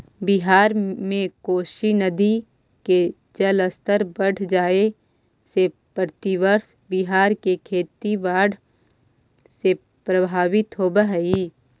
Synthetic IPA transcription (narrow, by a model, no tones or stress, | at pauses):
bɪɦaːɾmẽkoːʃinəd̪i | ke | d͡ʒələst̪əɾbəɽ̤ʰd͡ʒaːe | se | pɾt̪iʋəɾs | bɪɦaːɾkekʰeːt̪iʋaːɽ | se | pɾɐbʱaːʋɪt̪ɦoːbəɦəi